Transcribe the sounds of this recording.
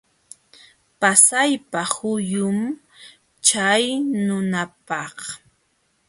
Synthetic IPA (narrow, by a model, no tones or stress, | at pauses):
pasajpahʊjʊm | t͡ʃajnʊnapɑχ